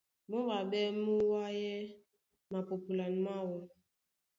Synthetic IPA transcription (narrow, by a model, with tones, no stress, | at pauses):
mo˦ba˨bɛ˦mu˦wa˦jɛ˦ | ma˨pu˨pu˨la˨n˨ma˦wɔ˦